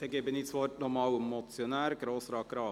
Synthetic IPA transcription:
d̪̥ɛɡebənɪt̪sʋoːɾnɔmɑːlmɔt̪sjɔnæːɾɡɾoːsɾɑːkɾɑː

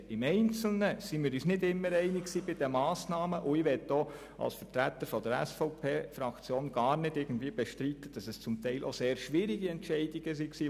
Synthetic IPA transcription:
ɪmɛɪnt͡sl̩nəsimiːɾyːsnɪdɪmːəɾɛɪnɪksiːbɪd̥ɛmɑːsnɑːməʔʊiːʋɛt̚d̥oː | ʔɑ̰lsfəɾtɾæt̪əɾfɔd̪əɾɛ̰sfɔʊpʰeːfɾɑkt͡sjoːnɡ̥ɑːɾnɪd̥ɪɡ̥ən̩dviːəb̥ɛʃtɾiːt̪ːəd̥ɑsɛst͡sʊmt̪ɛɪlʔo̰seːɾʃʋɪɾɪɡiɛntʃɛɪdɪɡ̥əs̬iksiː

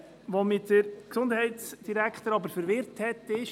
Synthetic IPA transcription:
ʋomɪtdəɾksʊnd̪hɛɪt̪sd̥iɾækχt̪əɾɑbəɾfəɾʋɪɾthɛt̪ːɪʃ

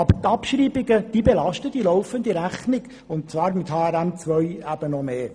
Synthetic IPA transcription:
ɑb̥ət̪ɑpʃɾiːbɪɡəd̪̥iːbelɑʃtədilɔwfənd̪iɾæχnɪɡ | ʊntt͡svɑːɾmɪt̪hɑːɛɾæmt͡sʋœjæb̥ənɔmeː

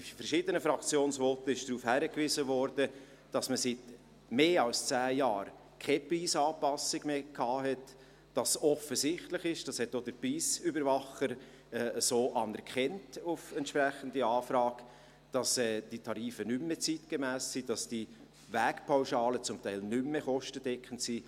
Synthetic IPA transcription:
ifəɾʃiːdənəfɾɑkt͡sjoːnsvɔtəɪʃd̥ɾuːfhæɾəkʋɪzəvɔɾdə | d̥ɑsməsɪt | meːɑlst͡sæːjɑːɾ | kʰepriːsɑːpɑsɪɡ̥meːkʰɑːɦɛt | d̥ɑsɔfəsɪχtlɪχɪʃd̥ɑshɛtːod̥əɾpiːsybəɾvɑχəɾ | ɛːəsoːʔɑnɛɾkχɛntufɛntʃpɾæχən̩diɑːfɾɑːk | d̥ɑsɛːd̥itʰɑɾiːfənʏmːet͡sitɡ̥emæːssid̥ɑsd̥i | ʋæːkpʰawʃɑːlət͡sʊmt̪æɪlnʏmːeχɔʃtəd̥ɛkχəntsi

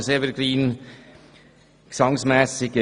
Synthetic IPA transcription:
sevəɾɡɾiːn | ksɑŋsmɛːsɪɡ̥ə

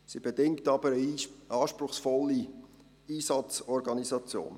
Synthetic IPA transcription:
sib̥edɪŋktɑbəɾəɑːʃpɾʊχsfɔlːi | iːsɑt͡sɔɾɡɑnizɑt͡sjo̰ːn

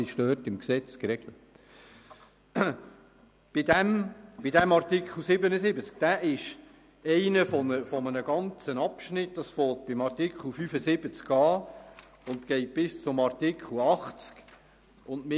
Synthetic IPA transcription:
ɪʃtøːtɪmksɛt͡skɾɛɡ̥lət | b̥ɪdæmb̥idæmɑɾtɪkχl̩ˠsɪbənəsɪbət͡sk̚d̥æːʔɪʃ | ɛɪnəfɔnəfɔmənəɡɑnt͡sənɑpʃnɪt̚d̥ɑsfoːt̚b̥ɪmɑrtikχl̩ˠfyfəsɪbət͡skɑː | ʊnt̪kɛɪt̚b̥ɪst͡sʊmɑrtɪkχl̩ɑχt͡sk | ʊndmɪ

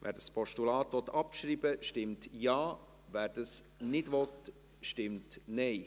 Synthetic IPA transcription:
vʔæ̰ːɾdəspʰɔʃtulɑːtʋɔt̪ːɑpʃɾiːbəʃtɪmtjɑː | væːɾd̥əs | nɪdʋɔt | ʃtɪmtnɛɪ

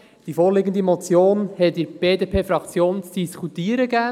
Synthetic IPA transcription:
d̥ifoːɾlɪɡənd̪imot͡sjoːnhɛtdɪɾb̥eːdepʰeːfɾɑkt͡sjoːnt͡sd̥iskʰut̪iːəɾəɡæː

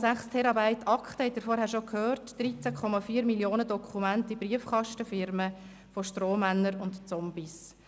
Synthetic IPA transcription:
sæχstʰɛɾɑbaɪtɑkχtəhɛtːiːɾfɔɾhæːɾʃokʰhøːɾtd̥ɾit͡sækʰχɔmɑfiːɾmiljoːnədɔkʰumæntibriəfkɑʃtəfɪɾmə | foʃtroːmænːəɾʊntt͡sɔmbis

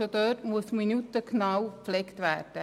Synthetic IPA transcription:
od̪øːtmuəsminut̪əknɑwpflɛkt̪ʋæːɾd̥ə

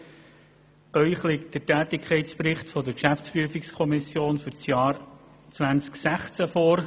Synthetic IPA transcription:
ʔœʏχlɪkt̚d̥ətæːt̪ɪkʰχɛɪtt͡spɾɪχtfɔd̪əɾkʃæftt͡spɾyəfikskʰɔmɪsjoːnfʏɾt͡sjɑːɾ | t͡svænt͡sksæχt͡sæfoːɾ

